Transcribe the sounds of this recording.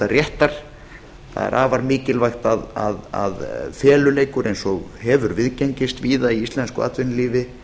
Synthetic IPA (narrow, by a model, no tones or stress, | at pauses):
arjɛht̪aɾ̥ | θa̰ðɛ̰ɾʔaːvaɾmɪːcɪlvajxt̪aða̰ða̰ðfɛːlʏleːjkʏɾʔejnsɔɣhɛvʏɾvɪðceɲcɪst̪viːðaiist̪lɛnskʏ̰a̰ːt̪vɪnliːvɪ